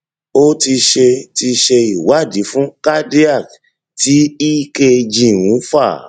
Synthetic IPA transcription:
o˦ti˧ʃe˧ti˧ʃe˧i˨wa˨˦˨di˨˦fũ˦ka˦de˦a˦˨k | ti˨˦i˦ke˧d͡ʒĩ˨wũ˨˦fa˦˨

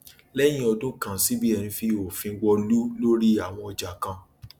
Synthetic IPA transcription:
lɛ˦j̃ĩ˦ɔ˧dũ˦kã˨si˨˦bi˦ɛ˨ñĩ˧fi˦o˨fĩ˧˦ɡ͡bɔ˧lu˦lo˦ɾi˦a˨w̃ɔ̃˧ɔ˧d͡ʒa˨kã˧

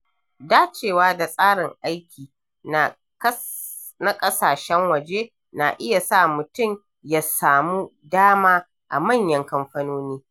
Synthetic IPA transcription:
daː˦t͡ʃeː˨waː˦da˨sʼaː˦ɽɪ˨ŋʔa˦jkʲʰiː˨ | n˨˦ | na˦kʼɐ˦saː˨ʃɛ˦ŋwɐ˨d͡ʒe˦ | na˨ʔɪ˦ja˨sa˦˨mʊ˨tʊ˦˨m | ja˨saː˨muː˦daː˦maː˦ | ʔa̰˨mɐ˦˨ɲjɐ˦ŋkɐ˦mɸɐ˦noː˦niː˦

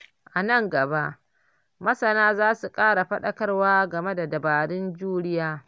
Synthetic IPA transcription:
ʔa˨nɐ˦ŋɡɐ˨ba˦ʔ | mɐ˦sɐ˨naː˦zaː˦su˨kʼaː˦ɽa˨ɸɐ˦ɗɐ˦kɐ˦rwaː˦ɡɐ˨me˦da˨dɐ˨baː˨ɽɪ˦nd͡ʒuː˦ɽɪ˦jaː˦

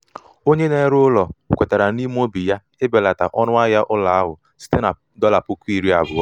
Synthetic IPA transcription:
o˦ɲe˦ne˨˦ɾʊ˦lɔ˨kʷe˨ta˨ɾa˨ni˦m˦o˦bi˨ja˦ | ɪ˦be˨la˨ta̰˨ʔɔ˦nʊ˦a˦ja˦ʔʊ˦la˨a˦ɦʊ˨ | si̥˦te˦na˨ | dɔ˦la˨pʊ˦kʷi˦˨ɾi˦a̰˨bʊ˨ɔ˦

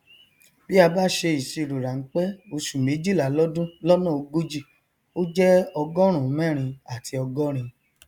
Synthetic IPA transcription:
bi˦a˧ba˦˨ʃe˧i˨si˨˧˨ɾu˨ɾa˨ŋ̩˦k͡pɛ˦o˧ʃu˨mẽ˨˦d͡ʒi˦˨la˨lɔ˦dũ˦lɔ˦nɔ̃˦˨o˧ɡo˦d͡ʒi˦˨ | o˦d͡ʒɛ˦ɔ˧ɡɔ˦ɾ̃ũ˦˨˦mɛ̃˦˨ɾ̃ĩ˧a˨ti˧ɔ˧ɡɔ˦ɾ̃ĩ˧

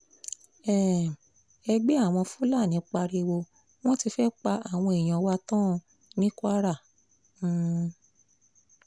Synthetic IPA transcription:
ɛ̃˨ | ɛ˧ɡ͡be˦a˦˨w̃ɔ̃˧fu˦la˦˨nĩ˨˦k͡pa˧ɾe˧wo˧ | w̃ɔ̃˦ti˧fɛ˦k͡pa˧ʔa˨w̃ɔ̃˧e˨j̃ɔ̃˧˨˦wa˦tã˦˧ | nĩ˦kwa˦ɾã˦˨˦

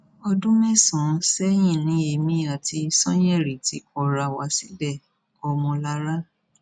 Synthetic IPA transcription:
ɔ˧dũ˦mɛ̃˦˨sɔ̃˨sɛ˦j̃ĩ˦˨nĩ˨˦e˧mĩ˨˦a˦˨ti˧sɔ̃˦j̃ɛ˦˨ɾi˨ti˧˦kɔ˨ɾa˨wa˨˧˦si˦bɛ˦˨ | ɔ˧mɔ̃˧la˧˦ɾa˦

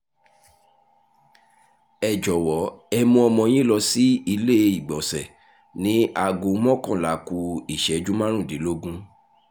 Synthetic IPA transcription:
ɛ˨d͡ʒɔ˨wɔ˨˦ɛ˧mũ˧ɔ˧mɔ̃˧j̃ĩ˦lɔ˧si˦i˧le˦i˨ɡ͡bɔ˨sɛ˨ | nĩ˦a˧ɡũ˧˦mɔ̃˦kɔ̃˦˨la˨˦ku˧i˦˨ʃɛ˨˦d͡ʒu˦mã˦ɾ̃ũ˦˨de˨˦lo˦ɡũ˦

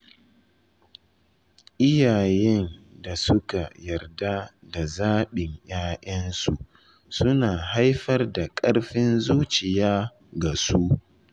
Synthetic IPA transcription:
ʔɪ˦jaː˨jɛ˦nda˨sʊ˦ka˨jɐ˨rda˦ | da˨zaː˦ɓɪ˨ɲj̰aː˦ʔɐ˦nsu˨ | sʊ˦naː˨ɦa˦jɸɐ˦rda˨kʼɐ˦ɽɸɪ˦nzuː˦t͡ʃɪ˨jaː˦ | ɡa˨su˦ʔ

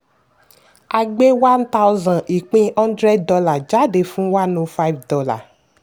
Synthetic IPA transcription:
a˧ɡ͡be˦wa˦nt̪a˦wzã˨nʔi˨k͡pĩ˧ɔ̃˦ndɾɛ˦ddɔ˧la˨d͡ʒa˨˦de˨fũ˦wa˦nõ˧fa˦jvdɔ˦la̰˨

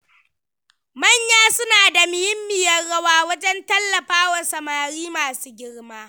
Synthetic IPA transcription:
mɐ˦˨ɲjaː˦sʊ˦naː˨da˨mɪ˨hɪ˦mːɪ˨jɐ˦rɽɐ˦waː˦wɐ˦d͡ʒɛ˦ntɐ˦lːɐ˨ɸaː˦wɐ˨rsɐ˨maː˨ɽiː˦maː˨suː˦ɡʲɪ˦ɽmaː˦

